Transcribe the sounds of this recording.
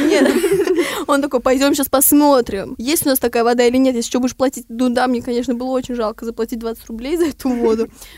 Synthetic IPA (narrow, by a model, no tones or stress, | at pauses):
nʲet̪ | o̞nt̪ɐko̞jpɐjdʲo̞mɕaspɐsmo̞t̪ɾʲɪmjesʲtʲʊnast̪ɐkajəvɐd̪ailʲɪnʲet̪jesʲlʲɪt͡ɕʲbudʲɪʂplˠɐtʲit̚ʲd̪ʊd̪amnʲekɐnʲeʂnəbɨlˠəo̞t͡ɕɪnʲʐalˠkəzəplˠɐtʲit̚ʲd̪vat̪sɨ̥tʲrʊblʲejzɐɛt̪ʊvo̞d̪ʊ